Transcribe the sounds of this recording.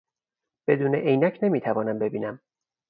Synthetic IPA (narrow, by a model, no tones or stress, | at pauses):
b̥e̞d̪uːneʔejnæcʰne̞miːt̪ʰævɒːnæmbe̞biːnæm